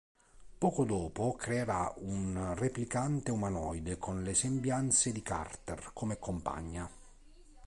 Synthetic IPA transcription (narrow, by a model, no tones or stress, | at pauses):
pɔːkʊd̪ɔːpʊkɾeːɾaunreplikant̪eumanɔjd̪ekʰɔnlesembjant̪sed̪ika̰rt̪erkomekompa̰ɲːa